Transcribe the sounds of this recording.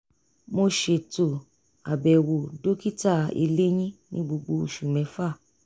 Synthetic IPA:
mo˧ʃe˧˨to˨ | a̰˨bɛ˨wo˨do˦ki˦ta˦˨ḛ˧le˦j̃ĩ˦nĩ˦ɡ͡bo˧ɡ͡bo˧˦˧ʃu˨mɛ̃˨˦fa˦˨

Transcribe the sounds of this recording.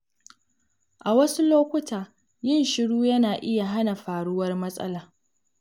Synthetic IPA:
ʔa˨wɐ˦su˦loː˦kʷʊ˦tʰaː˨ | jɪ˦nʃɪ˦ɽuː˦jɐ˦naː˨ʔɪ˦ja˨ɦa˦na˨ɸaː˨ɽʊ˦wɐ˦rmɐ˦sʼɐ̰˦laː˨

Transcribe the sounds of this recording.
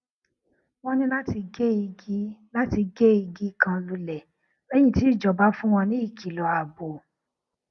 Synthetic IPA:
w̃ɔ̃˦nĩ˦la˦ti˧ɡe˦i˧ɡi˦la˦ti˧ɡe˦i˧ɡi˦kã˧lu˧lɛ˨ | ɾɛ˦j̃ĩ˦˨ti˨˦˨d͡ʒɔ˨ba˦fũ˦w̃ɔ̃˧nĩ˨˦i˦˨ki˨lɔ˨a˨bo˨

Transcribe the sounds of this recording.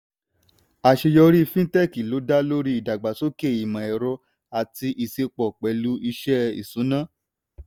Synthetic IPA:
a˨ʃe˧jɔ˧ɾi˦˧fĩ˦tɛ˦ki˨lo˨˦da˦lo˦ɾi˦i˦˨da˨ɡ͡ba˨so˦ke˦˨i˨mã˨ɛ˨ɾɔ˧ | a˨ti˧ʔi˧se˧k͡pɔ˨k͡pɛ˨˦lu˦i˧ʃɛ˦ḭ˨sũ˨˦nã˦

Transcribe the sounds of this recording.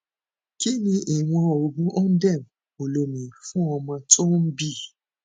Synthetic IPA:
ki˦nĩ˧ʔi˨w̃ɔ̃˧o˨bũ˨˦ʔɔ˦n̩˦dɛ˦˨m˨ | o˨lo˨mĩ˨fũ˦ɔ˧mɔ̃˧to˦m̩˦bi˦˨

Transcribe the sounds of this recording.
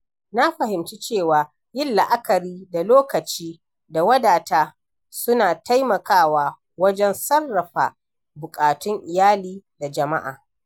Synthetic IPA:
na˦ɸɐ˨hɪ˨mt͡ʃi˦t͡ʃeː˦˨waː˨ | jɪ˦˨lla˨ʔa˦kɐ˨ɾiː˦da˨loː˦kɐ˨t͡ʃiː˦ | da˨wɐ˦daː˨taː˦ | sʊ˦naː˨ta˦jmɐ˨kaː˦˨waː˦ | wɐ˦d͡ʒɛ˦nsɐ˦rːɐ˨ɸa̰ː˨ | bʊ˨kʼaː˨tʊ˦ŋʔɪ˨jaː˦liː˦da˨d͡ʒɐ˨ma˦ʔa̰ː˨

